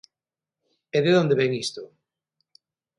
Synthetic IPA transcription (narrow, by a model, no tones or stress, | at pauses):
eðeðond̪eβɛŋist̪o